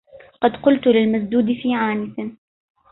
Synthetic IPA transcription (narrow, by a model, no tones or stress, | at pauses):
qɑd̪qʊlt̪ʊlɪlmas̬d̪uːd̪ɪfiːʕaːnɪθɪ